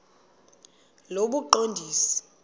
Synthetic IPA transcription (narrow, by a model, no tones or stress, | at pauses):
loɓuǃondʱiːsi̥